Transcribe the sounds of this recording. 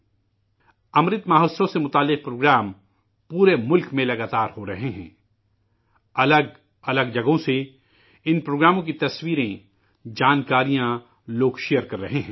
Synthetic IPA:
ɐmɾɪt̪maːɦoːsõsemʊt̪aːlːɪq̚pɾoːɡɾaːm | puːɾemʊlkmẽlɐɡaːt̪aːɾhoɾɐɦeɦɛ̰̃ː | ɐləɡ | ɐləɡd͡ʒɐɡõse | ɪnpɾoːɡɾaːmõk̬it̪ɐswiːɾẽ | d͡ʒaːnkaːɾijã | loːɡʃejəɾkɐɾːɐɦeɦɛ̃ː

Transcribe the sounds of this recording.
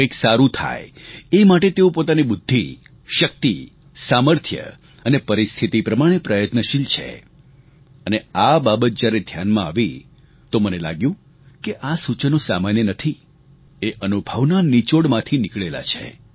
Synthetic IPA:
eksaɾũt̪ʰa̰eemaʈet̪eũpot̪anibʊd̪ʱːi | ʃək̚t̪i | saməɾt̪ʰjə̰ | ənepəɾist̪ʰit̪ipɾəmaɽ̃epɾəjət̪nəʃilt͡ʃʰḛ | əneababət̪̚d͡ʒjaɾed̪ʱjanmãaʋi | t̪omənela̰ɡjũ | keʔasut͡ʃənõsa̰manjənət̪ʰi | eʔənubʱəʋnanit͡ʃoɽmãt̪ʰinɪkɭela̰t͡ʃʰḛ

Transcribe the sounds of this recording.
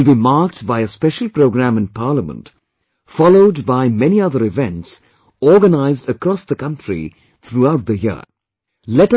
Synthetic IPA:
lbimaːɾk̚ʈbaɪəspɛʃəlˠpɾoʊɡɾæ̃mɨ̃npʰaːləmə̰̃nt | fɑloʊdbaɪmɛniʌðəɾɪvɛ̃nʈs | ɔːɡənaɪzdəkɾɔsd̪əkʌ̃nʈʰɾḭ | t̪ʰɾuaʊʈ̚d̪əjɪ̰ | lɛʈ

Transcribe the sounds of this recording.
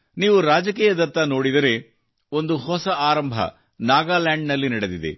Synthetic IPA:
niːʋuɾaːd͡ʒɐkiːjɐd̪ɐt̪ːɐno̞ːɽid̪ɐɾe̞ | o̞nd̪uhɔsɐaːɾɐmbʱɐ̰ | naːɡaːlaːɳɖnɐlːinɐɽed̪id̪ḛ

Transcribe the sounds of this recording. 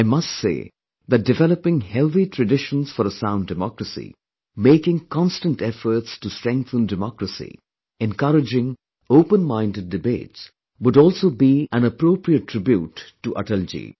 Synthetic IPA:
aɪmʌstsḛː | ðæt̚dɨvɛləpɪ̃ŋhɛlˠθitʰɾɨɖɪʃə̃nz̥fɔɾəsãʊ̃ndɨmɔkɾəsḭ | meɪkɪ̃ŋkɑ̃nstə̃ntɛfəɾtstustɹɛ̃ŋk̚θə̃ndɨmɔkɾəsḭ | ɛ̃nkʌɾɪd͡ʒɪ̃ŋ | oʊpə̃nmãɪ̃ndɨd̚ːɨbḛːts | wʊɖɔlsoːbiæ̃nəpɾoʊpɾiətʰːɾ̥ɪbjutːuʔə̰ʈəld͡ʒḭ

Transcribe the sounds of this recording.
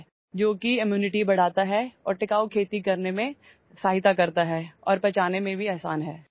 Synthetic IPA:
d͡ʒoːkiɪmjuːnɪʈibɐɽ̤aːt̪aɦɛɔːɾʈɪkaːokʰeːt̪ikɐɾnemẽ | saːɦɪt̪akɐɾt̪aɦɛːɔːɾpɐt͡ʃaːnemẽbʱiɛːsaːnɦɛː

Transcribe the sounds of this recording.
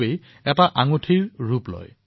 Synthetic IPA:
ej | ɛtaʔaŋotʰiɹɹuplɔ̰j

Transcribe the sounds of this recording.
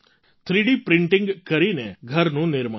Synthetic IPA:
t̪ʰɾiɖipɾɪ̃ɳʈɪ̃ŋɡkɐɾineɡʱəɾnũnɪɾma

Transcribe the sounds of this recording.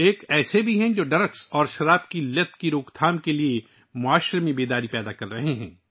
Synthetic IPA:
eːkɛːsebʱiɦɛ̃d͡ʒoːɖɐɾəksɔːɾʃɐɾaːbkilɐt̪kiɾoːkt̪ʰaːmkelie | mʊaːʃɾemẽbeːd̪aːɾipɛːd̪akɐɾːɐɦeɦɛ̰̃ː

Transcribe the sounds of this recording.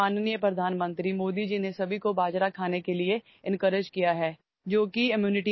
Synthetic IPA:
aːnnijəpɾɐd̪ʱaːnmə̃nt̪ɾimoːd̪id͡ʒinesɐbʱikobaːd͡ʒɾakʰaːnekelie | ɪ̃nkəɾɪd͡ʒkijaɦɛː | d͡ʒoːkiɪmjuːnɪʈi

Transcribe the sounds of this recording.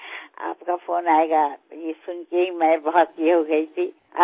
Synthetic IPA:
a̰ːpkapʰoːnaːeɡajesʊnkeɦimɛ̃bəɦɔt̪̚kiɦoɡəit̪ʰi | a̰

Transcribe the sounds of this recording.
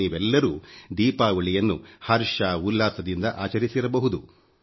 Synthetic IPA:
iːʋɛlːɐɾuːd̪iːpaːʋɐɭijɐnːuhɐɾʂaːulːaːsɐd̪ind̪ɐʔaːt͡ʃɐɾisiɾɐbɐɦud̪u

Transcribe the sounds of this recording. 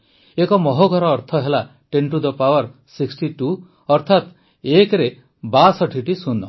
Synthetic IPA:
ekɔmɔɦoɡʱɔɾɔːɾt̪ʰɔɦela | ʈeɳʈud̪ɔpawɔɾsiksʈiʈu | ɔɾt̪ʰat̪ | ekɾe | basɔʈʰiʈisunɔ̰

